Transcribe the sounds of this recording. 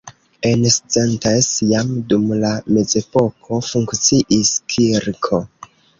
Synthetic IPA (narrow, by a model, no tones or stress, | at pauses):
enst͡sentasjamdumlame̞ze̞po̞kʰo̞fuŋkt͡siʔiskʰiɾkʰo